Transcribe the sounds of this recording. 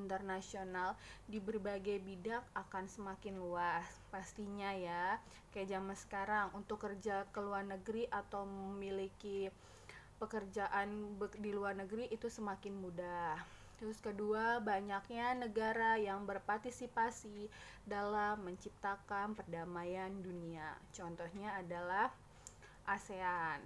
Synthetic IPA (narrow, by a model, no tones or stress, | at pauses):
int̪ərnasionaldibərbaɡajbidak̚akansəmakɪnluaspast̪iɲaja | kajaʔzamansə̥kaɾaŋunt̪ʊkːərd͡ʒakəluarnəɡəɾiʔat̪awməmiliki | pəkərd͡ʒaʔanbədiluarnəɡəɾiʔːt̪usəmakɪnmudaht̪ɾʊskəduabaɲakɲanəɡaɾajaŋbərpart̪isipasi | dalamːəɲt͡ʃip̚t̪akanpərdamajanduniat͡ʃɔnt̪ɔhɲaːdalah | ʔasean